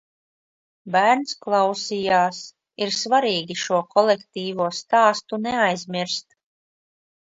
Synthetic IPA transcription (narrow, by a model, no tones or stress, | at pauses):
bæːɾnsklˠɑwsijaːs | iɾsvaɾiːɡʲiʃuɔkɔlɛkt̪iːvuɔst̪aːst̪unɛajzmʲiɾst̪